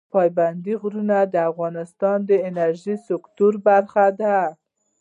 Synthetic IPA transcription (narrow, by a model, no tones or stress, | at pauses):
pɑjband̪iɣɾunad̪əafɣɑnɪst̪ɑnd̪əɪnaɾʒisɪkt̪uɾbaɾxad̪a